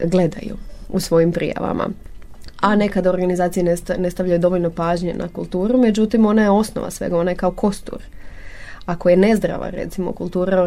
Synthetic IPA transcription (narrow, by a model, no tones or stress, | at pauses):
ɡle̞d̪a̰jṵusʋo̞jimpɾḭja̰ʋa̰mʔa̰ | ane̞kad̪aoɾɡanizaːt̪ijeene̞st̪aʋʎʲajud̪o̞ʋoʎno̞paːʒɲena̰kulˠt̪uːɾume̞d͡ʑut̪imo̞najeo̞sno̰ʋa̰sʋe̞̰ɡao̞naje̞kaokʰo̞st̪ṵɾ | ako̞je̞ne̞zd̪ɾa̰ʋa̰ɾe̞̰t̪simo̰kulˠt̪uːɾao